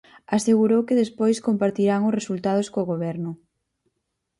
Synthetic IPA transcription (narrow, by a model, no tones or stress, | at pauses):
aseɣuɾowkɪðespojskompaɾt̪iɾaŋʊsresult̪að̞ʊskoːɣoβɛɾnʊ